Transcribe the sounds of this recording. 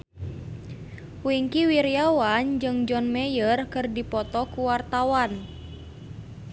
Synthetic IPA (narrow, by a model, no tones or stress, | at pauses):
wiŋkiwiɾiawand͡ʒɨŋd͡ʒɔnmɛjərkɨrdipɔt̪ɔkuwart̪awan